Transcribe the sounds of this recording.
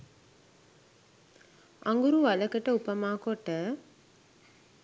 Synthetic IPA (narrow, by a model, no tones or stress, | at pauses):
aŋɡuɾuʋaləkəʈəupəmaːkoʈə